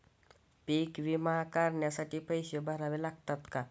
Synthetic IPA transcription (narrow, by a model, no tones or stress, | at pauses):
pikbimakaɾnjasaʈipəjsjobaɾabelak̚t̪ʌt̪ka